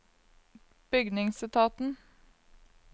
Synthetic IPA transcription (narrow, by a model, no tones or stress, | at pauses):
b̥ʏɡnɪŋsɪt̪ʰɑːt̪n̩